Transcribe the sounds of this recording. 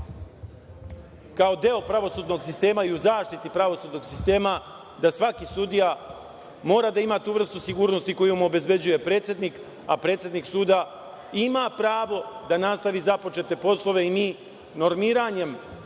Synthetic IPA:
kaod̪eopɾaʋo̞suːd̪no̞ɡsist̪e̞ːmaiuzaːʃt̪it̪ipɾaʋo̞suːd̪no̞ɡsist̪e̞ːma | d̪asʋakisud̪ija | mo̞ːɾad̪aimat̪uːʋr̩st̪usiɡuːɾnost̪iko̞jumuobe̞zbe̞d͡ʑuje̞pɾe̞ːt̪sjed̪nik | apɾe̞ːt̪sje̞d̪niksuːd̪a | imapɾaːʋo̞d̪anast̪aʋizapo̞t͡ʃe̞t̪e̞po̞slˠo̞ʋe̞ini | no̞ɾmiːɾaɲe̞m

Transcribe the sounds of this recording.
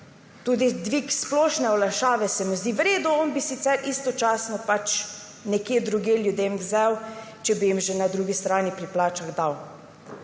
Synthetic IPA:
t̪uːd̪id̪ʋiksplɔːʃnɛɔlaʃaːʋɛsɛmuzd̪iʋɾeːd̪uɔnbisit̪sɛɾʔist̪ɔt͡ʃaːsnɔpat͡ʃ | nɛkjeːd̪ɾuɡjeːljud̪eːmwzɛwt͡ʃɛbijimʒɛnad̪ɾuɡist̪ɾaːnipɾiplaːt͡ʃaɣd̪aw

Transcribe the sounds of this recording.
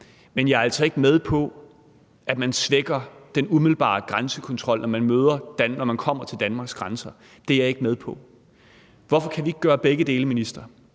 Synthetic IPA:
menjɑ̈ɐæl̰sɒ̽e̝ɡ̥með̞ˠpʰɒ̽ | ʔæd̥mænsʋeɡ̥ɐd̥enumiðˠl̩b̥ɑ̰̈ːɡ̥ʁansəkʰɒ̽nt͡sʰʁɒ̽l̰nɒmænmøːð̞ˠɐd̥ænnɒmænkʰɒ̽m̰ɐt͡sʰe̝ld̥ænmɑ̈ːɡ̥sɡ̥ʁɑnsɐ | d̥e̝ɑ̈e̝ɡ̥əmeð̞ˠpʰɒ̽ | ʋɒfɒ̽kʰæʋie̝ɡ̥əɡ̥ɶːɐb̥eɡ̥əd̥e̝ːləminisd̥ʁɐ

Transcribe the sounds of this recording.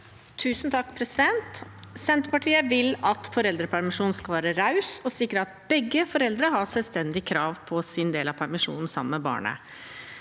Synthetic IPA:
t̪ʰʉːsnt̪ʰɑkːpʰɾɛsɪd̪ɛnt̪sɛnt̪əpɑʈʰiːəʋɪlɑt̪fɔɾɛld̪ɾəpʰæɾmɪʂuːnskɑlʋæːɾəɾɑʉsɔsɪkːɾəɑt̪̚bɛɡːəfɔɾɛld̪ɾəɦɑsɛlst̪ɛnd̪ɪkʰɾɑːʋpʰɔsɪnd̪eːlɑpʰæɾmɪʂṵːnn̩sɑ̰mmɛbɑ̰ːɳə̰

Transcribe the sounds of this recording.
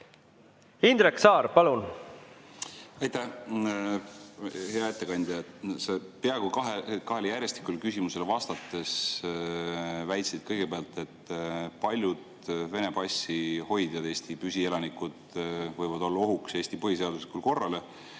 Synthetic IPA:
ind̪̥ɾeksɑːɾpɑlun | ɑjt̪æh | he̞ɑet̪ːe̞kɑnʲd̪̥ʲjɑsepeɑeɡukɑɦekɑɦe̞ljærʲje̞st̪i̥kːˑulkysʲimuse̞lvɑst̪ɑt̪ːˑe̞s | væjt̪sid̪̥kɤjɡ̥e̞beɑlt̪e̞t̪ːˑpɑlʲjud̪̥ | ve̞ne̞b̥ɑsʲːiho̞jd̪̥jɑd̪eːsʲt̪ipysʲie̞lɑnikud̪̥vɤjvɑd̪o̞lːɑoɦukse̞ːsʲt̪ipɤhis̬e̞ɑd̪̥uslikulko̞rːɑle

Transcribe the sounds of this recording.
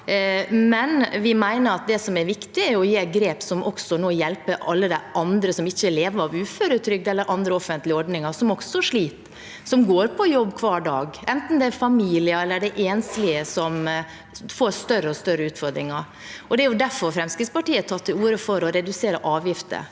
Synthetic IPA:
mɛnʋɪmæɪnəɾɑt̪̚d̪ɛsɔmæɾʋɪkt̪ɪæɾjʊɔjeːɡɾeːpsɔmʔɔksɔnoːjɛlpəɑlːəd̪æʔɑnd̪ɾəsɔmɪçːəleːʋəɾɑʋʉːføːɾət̪ʰɾʏk̚d̪ɛlːəɾʔɑnd̪ɾəɔfənt̪lɪəɔɖnɪŋɑɾsɔmɔksɔʂɭiːt̪ | sɔmɡoːɾpʰɔjɔbːkʰʋɑːɖɑːɡɛnt̪n̩d̪ɛæfɑmiːlɪəɛlːəɖɛʔeːnslɪəsɔm | foːɾst̪œɾəɔst̪œɾəʉːt̪fɔɾd̪ɾɪŋɑɾ | ɔd̪ɛæɾjʊd̪æɾfɔɾfɾɛmskɾɪd̪spɑʈiːət̪ʰɑt̪ʰːɪuːɾəfɔɾɔɾɛd̪ʉseːɾəʔɑːʋjɪft̪ə̰

